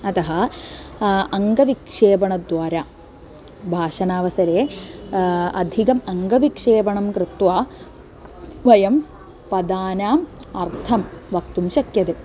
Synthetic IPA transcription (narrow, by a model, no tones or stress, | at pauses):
ɐt̪ɐɦɐ | ɐŋɡɐʋikʂeːbɐɳɐd̪ʋaːɾaː | bʱaːʂɐnaːʋɐsɐɾeː | ɐd̪ʱikɐmɐŋɡɐʋikʂeːbɐɳɐmkɾɨt̪ʋaː | ʋɐjɐm | pɐd̪aːnaːm | ɐɾt̪ʰɐmʋɐk̚t̪umʃɐkjɐt̪e